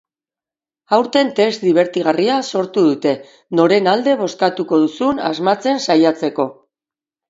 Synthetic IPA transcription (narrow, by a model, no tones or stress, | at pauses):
awɾt̪e̞nt̪e̞sd̪iβ̞e̞ɾt̪iɣ̞ariaso̞ɾt̪uð̞ut̪e̞ | no̞ɾe̞nald̪e̞β̞o̞skat̪uko̞ðusuna̰zmat͡se̞nsajat͡se̞ko̞